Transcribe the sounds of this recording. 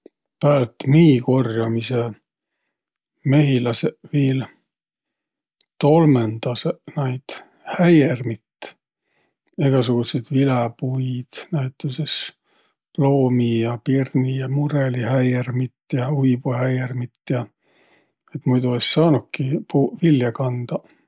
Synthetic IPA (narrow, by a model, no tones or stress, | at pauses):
pæːlt̪miːko̞rjɑmise | me̞ɦilɑseviːl | t̪o̞lmend̪̥ɑsenɑjd̪̥ | hæjermit̪ | eɡ̥ɑsuɡ̥used̪̥vilepujd̪̥næjt̪ːˑuses | plo̞ːmijɑpirnijɑmuɾelihæjermit̪ːjɑujb̥uhæjermit̪ːjɑ | et̪mujd̪uessɑːnukkːipuːviljɑkɑnd̪̥ɑ